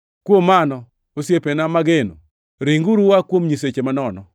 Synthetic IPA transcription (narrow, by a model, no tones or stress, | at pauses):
kwomanɔ | osjepenamaɡeno̰ | ɾiŋɡuɾuwakwomɲis̬et͡ʃemanɔnɔ